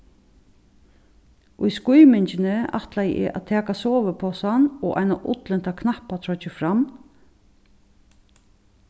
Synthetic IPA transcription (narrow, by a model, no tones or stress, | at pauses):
ʔʊjskʊjmɪnt͡ʃɪnɪa̰ht̪laj̰ʔɪ̰ʔa̰t̪ʰɛːkasɔːʋəpʰɔsanɔʔa̰jnaʔʊ̰t̪lɪn̥t̪akʰnahpːat̪ʰɾɔt͡ʃɪfɾamː